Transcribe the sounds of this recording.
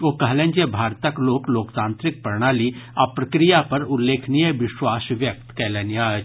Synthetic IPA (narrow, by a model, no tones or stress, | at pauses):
ʋoːkɐɦlẽːnd͡ʒebʱaːɾt̪ɐkloːkloːkt̪ãːnt̪ɾɪk̚pəɾɽ̃aːliapɾɐkɾijapɐɾʊlːeːkʰnijəʋɪʃwaːsʋjɐk̚t̪kɛːleːnja